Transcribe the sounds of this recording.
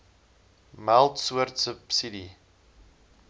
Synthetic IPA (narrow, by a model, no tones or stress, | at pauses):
mælˠtsuərtsəpsidi